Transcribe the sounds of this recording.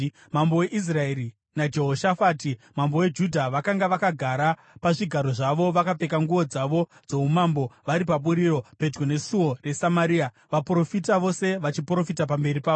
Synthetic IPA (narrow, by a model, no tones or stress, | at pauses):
mambo̞we̞ʔis̬rae̞ɾi | nad͡ʒe̞ɦoʃafaːtimambo̞we̞d͡ʒudʱaʋakaŋɡaʋakaɡʱaɾa | paʐiɡʱaɾo̞ʐaʋo̞ʋakape̞kaŋɡuʋo̞d͡zaʋo̞d͡zo̞umambo̞ʋaɾip̬aɓuɾiɾo̞pe̞d͡ʒɡone̞suo̞re̞samaɾiːa | ʋapro̞fitaʋo̞se̞ʋat͡ʃipro̞fitapambe̞ɾipaːo